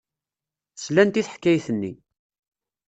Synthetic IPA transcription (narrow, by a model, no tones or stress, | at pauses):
əslænt̪iθħkːæjθənːḭ